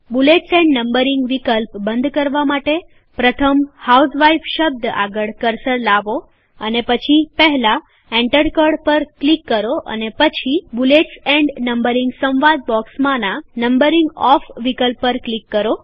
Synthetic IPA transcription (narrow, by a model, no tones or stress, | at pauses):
buleʈsɛ̃ɳɖnəmbəɾɪ̃ŋɡʋikəlpbənd̪kəɾʋamaʈe | pɾət̪ʰəmhawsʋaifʃəb̚d̪a̰ɡəɭkəɾsəɽlaʋo | ənepət͡ʃʰipəɦla | ɛ̃ɳʈəɾɖkəɖpəɾklikːəɾoʔə̰nepət͡ʃʰibuleʈsɛ̃ɳɖnəmbəɾɪŋɡsə̃wʋad̪̚bɔksmãnanəmbəɾɪ̃ŋɡɔfʋikəlpːəɾklikːəɾo